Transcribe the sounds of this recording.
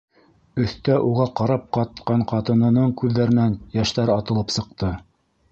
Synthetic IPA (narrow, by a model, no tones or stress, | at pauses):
ɵ̆θt̪æʔuʁɑqɑɾɑp̚qɑt̪qɑɴqɑt̪ɤ̆nɤ̆nɤɴkʉðːæɾɘ̆nænjæʃt̪æɾɑt̪ɤ̆lˠɤpsɤ̆q̚t̪ɤ